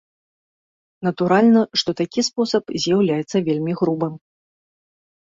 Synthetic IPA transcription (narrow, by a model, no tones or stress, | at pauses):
nɐt̪uɾalʲnɐʂt̪ɔt̪akʲispɔsɐpzʲjawlʲajɛt̪sːɐvʲelʲmʲiɣɾubɨm